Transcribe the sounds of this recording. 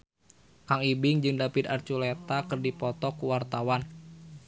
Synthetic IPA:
kaŋibɪŋd͡ʒɨŋdapit̪a̰rt͡ʃulet̪akɨrdipɔt̪ɔkuwart̪awan

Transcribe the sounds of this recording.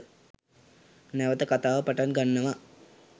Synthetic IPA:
neʋɐt̪ɐkɐt̪aːʋɐpɐʈanɡɐɳːɐʋɐ

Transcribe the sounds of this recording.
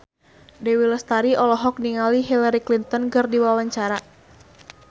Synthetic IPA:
dɛwilɔst̪aɾiʔɔlɔɦɔk̚niŋaliɦilaɾiklint̪ɔnkɨrdiwawaɲt͡ʃaɾa

